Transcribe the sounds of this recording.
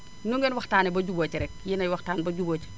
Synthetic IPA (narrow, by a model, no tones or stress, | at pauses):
nuŋɡɛnwɐxtaːnibɐɟuboːt͡ʃɾɛk̚jinɐjwɐxtaːnbɐɟuboːt͡ʃ